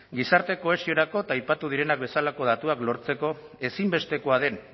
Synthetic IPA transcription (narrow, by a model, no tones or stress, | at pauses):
ɡisaɾt̪e̞ko̞e̞sio̞ɾako̞t̪aːjpat̪uð̞iɾe̞nak̚be̞salako̞ðat̪uaklo̞ɾt͡se̞ko̞ | e̞simbe̞st̪e̞ko̞aðe̞n